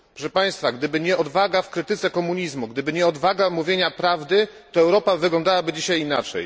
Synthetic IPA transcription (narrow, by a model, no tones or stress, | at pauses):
pɾɔʂɛpaj̃st̪faɡd̪ɘbɘɲɛʔɔd̪vaɡafkɾɘt̪ɘt̪sɛkɔmuɲizmuɡd̪ɘbɘɲɛɔd̪vaɡamuvʲjeɲapɾavd̪ɘt̪ɔɛwɾɔpavɘɡlɔnd̪awabɘd͡ʑiɕajinat͡ʂɛ̰j